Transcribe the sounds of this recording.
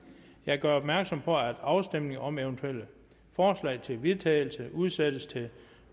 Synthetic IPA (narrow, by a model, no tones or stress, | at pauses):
jɑ̈ɪɡ̥ɶɐɒ̽b̥mæɐɡ̥sɒ̽mpʰɒ̽æd̥ɑ̈ʊsd̥em̰ne̝ŋɒ̽meʊnt͡sʰuel̰ə | fɒːslɛ̰ɪt͡sʰe̝lʋiðˠt͡sʰɛ̰ːɪl̩səuðˠsed̥əst͡sʰe̝